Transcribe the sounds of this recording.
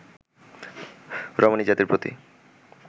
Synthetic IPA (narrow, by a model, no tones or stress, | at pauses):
ɾɔmonid͡ʑat̪iɾpɾot̪ḭ